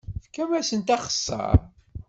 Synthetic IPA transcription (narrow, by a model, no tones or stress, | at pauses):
fkːæmæsənt̪ɑχə̥sːə̰ɾˤ